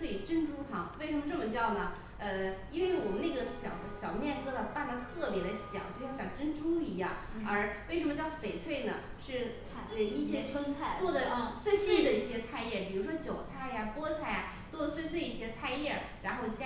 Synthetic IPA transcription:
we˥˩˨ʈ͡ʂə˥nʈ͡ʂu˥t̪ʰɑ˧˥ŋwe˥˩ɪʂə˧˥mə˧ʈ͡ʂɤ˥˩mə˩t͡ɕjɑ˥˩ʊnə˩ | ə˧i˥nwe˥˩ɪwɔ˨˩mə˦na˥˩ɡə˩ɕjɑ˨˩ʊɕjɑ˨˩ʊmjɛ˥˩nkɤ˥d̪ə˨pa˥˩na˥˧t̪ʰɤ˥˩pjɛ˧˥ɾə˧ɕjɑ̰˨˩˦ŋt͡ɕo˥˧jɕjɑ˨˩ŋʈ͡ʂə˥nʈ͡ʂu˥ŋi˧˥jɑ̰˥˩ŋ | ə˞˧˥we˥˩ɪʂ̬ə˧˥mə˧t͡ɕjɑ˥˩ʊfe˨˩ɪt͡sʰwe˥˩ɪnə˩ | ʂɻ̩˥˩t͡sʰa˥˧˩i˥˩ɕjɛ˥t͡sʰwə˥ŋt͡sʰa˥˩ɪt̪wɔ˥˩d̪ə˨swe˥˧ɪswe˥˩ɪd̪ə˨i˥˩ɕjɛ˥t͡sʰa˥˧ɪjɛ˥˩pi˨˩ɻu˧˥ʂwɔ˥t͡ɕjo˨˩ʊt͡sʰa˥ɪja˨pwɔ˥t͡sʰa˥˩ɪja˩ | t͡swɔ˥˩d̪ə˨˩swe˥˧ɪs̬we˥˧ɪi˥˩ɕjɛ˥t͡sʰa˥˧ɪjɛ˥˩ | ɻa˧˥nxo˥˧ʊt͡ɕja˥

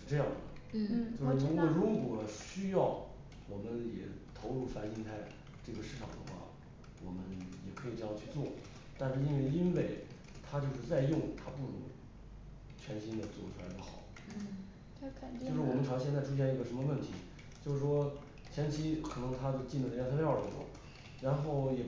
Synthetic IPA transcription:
ʂɻ̩˥˧ʈ͡ʂɤ˥˧jɑ˥˩ŋd̪ə˩t͡ɕo˥˧ʂi˧˥na˥˩ɻu˧˥kwɔ˨˩ɕy˥jɑ˥˩ʊ | wɔ˨˩mə˦njɛ˨˩t̪ʰo˧˥ʊɻu˥˩fa˥nɕi˥nt̪ʰa˥˩ɪ | ʈ͡ʂɤ˥˩ɡə˩ʂɻ̩˥˩ʈ͡ʂʰɑ̰˨˩ŋd̪ə˦xwa̰˥˩ | wɔ˨˩mə˦njɛ˨˩kʰɤ˧˥i˨˩ʈ͡ʂɤ˥˧jɑ˥˧ŋt͡ɕʰy˥˧t͡swɔ˥˩ | t̪a˥˧nʂɻ̩˥˧i˥nwe˥˩ɪi˥nwe˥˩ɪ | t̪ʰa˥t͡ɕjo˥˧ʊʂɻ̩˥˧t͡sa˥˧ɪjʊ˥˧˩ŋt̪ʰa˥pu˥˩nʊ˧˥ŋ | t͡ɕʰɥɛ˧˥nɕi˥nd̪ə˨t͡swɔ̰˨˧˩ʈ͡ʂʰu˥la˧˥ɪd̪ə˧xɑ˨˩˦ʊ | t͡ɕʰo˥˧ʊʂɻ̩˥˩wɔ˨˩mə˥nʰʈ͡ʂʰɕjnt͡sa˥˩ɪʈ͡ʂʰu˥ɕjɛ˥˧ni˥ɡə˩ʂə˧˥nmə˧wə˥˩nt̪ʰi˧˥ | t͡ɕjo˥˧ʊʂɻ̩˥˩ʂwɔ˥ | t͡ɕʰjɛ˧˥nt͡ɕʰi˧˥kʰɤ˨˩nɤ˧˥ŋt̪ʰa˥t͡ɕo˥˧t͡ɕi˥˩nlə˧˩˧j̪ʰljɑ˥˩ʊ˩ə˧ə˧˥˩wɔ̰˥˩ | ɻa˧˥nxo˥˩ʊjɛ˨˩

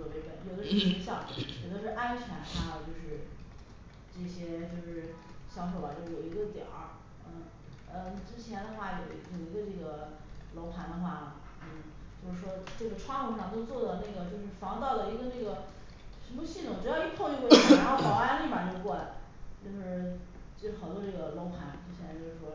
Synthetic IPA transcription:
ɤ˧˩e˧˥pə˨˩n˥jo˧˩d̪o˥˩˥i˧˥ɕjɑ˥˩ŋjɛ˨˩t̪o˥ʂɻ̩˥˧˩ʔa˥nt͡ɕʰɥɛ˧˥na˥˩˧t͡ɕjo˥˧ʊʂɻ̩˥˧ | ʈ͡ʂɤ˥˩ɕjɛ˥t͡ɕjo˥˧ʊʂɻ̩˥˩ | ɕjɑ˧˥ʊʂ̬o˨˩ʊa˧˦t͡ɕo˥˧˩jo˨˩ʊi˧˥ɡə˧t̪jɑ̰˨˩˦ | nə˥˧˩ | ə˥˧˩ʈ͡ʂɻ̩˥t͡ɕʰjɛ˧˥nd̪ə˧xwa˥˩jo˨˩ʊ˧˥jo˨˩ʊi˧˥ɡə˧ʈ͡ʂɤ˥˩ɡə˩ | lo˧˥ʊpʰa˧˥nd̪ə˧xwa˥˩lə˩ | t͡ɕjo˥˧ʊʂɻ̩˥˩ | t͡ɕjo˥˧ʊʂɻ̩˥˩ʂwɔ˥ʈ͡ʂɤ˥˩ɡə˩ʈ͡ʂʰwɑ˥˧ŋkɔ˥˧ʂɑ˥˧ŋt̪o˥ʊt͡swɔ˥˩d̪ə˩na˥˩ɡə˩t͡ɕjo˥˧ʊʂɻ̩˥˩fɑ˧˥ŋt̪ɑ˥˩ʊlə˩i˧˥ɡə˧na˥˩ɡə˩ | ʂə˧˥mə˧ɕi˥˩t̪ʰʊ˨˩ʈ͡ʂɻ̩˧˥jɑ˥˧i˥pʰɔ˥˧˥wɻxxɑ˨˩ʊa˥li˥˩ma˨˩t͡ɕo˥˧ʊkwɔ˥˩la̰˨˩˦ɪ | t͡ɕjo˥˧ʊʂɻ̩˧˥ | t͡ɕo˥˩˥xʊt̪wɔ˥ʈ͡ʂɤ˥˩ɡə˩lo˧˥ʊpʰa˧˥nt͡ɕjo˥˧ʊɕʰjɛ˥˧t͡ɕo˥˧ʊʂɻ̩˥˩wɔ˥

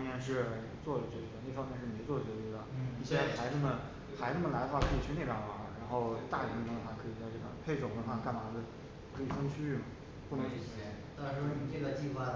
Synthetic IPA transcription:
mjɛ˥˧nʂ̬ɻ̩˥˩ | t͡swɔ˥˩də˩t͡ɕɛ˧˩ɥɛ˧˥ne˥˩fɑ˥ŋmjɛ˥˧nʂɻ̩˥˩me˧˥t͡swɔ˥˩ə˩ɛ˧˥i˧˥d̪ə˧˩i˥˩ɕʰjɛ˥xa˧˥ɪnə˥˩mə˩ | xa˧˥ɪnə˥˩mə˩la˧˥ɪdə˧wa˥˩kʰɤ˧˥i˨˩t͡ɕʰy˥ne˥˩pja˧˥nwɑ˧˥ɻa˧˥nxo˥˧ʊt̪a˥˩li˨˩ə˥kə˧˥nə˧˩xwa˥˩kʰɤ˧˥i˨˩t͡sa˥˧ɪʈ͡ʂɤ˥˩ə̰˧˩pʰe˥˩ɪʈ͡ʂwʊ˨˩ŋkwə˧˥nxwa˥˩ka˥˩n˨a˧˥də˧ | kʰɤ˧˥i˨˩fə˥ŋt͡ɕʰy˥y˥˩mɐ˩ | pu˥˩nɤ˧˥ŋt͡ɕ̩ʰ˨˩˧t̪a˥˩ʂɻ̩˧˥o˥˩i˨˩t͡ɕɛ˥˧d̪a˧t͡ɕi˥˧xwa˥˩

